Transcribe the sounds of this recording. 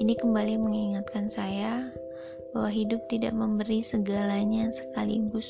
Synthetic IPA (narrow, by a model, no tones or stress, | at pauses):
inikəmbaliməŋiŋat̪̚kansaja | bawaɦidʊp̚t̪ida̰ʔməmbəɾisəɡalaɲasə̥kalḭɡʊs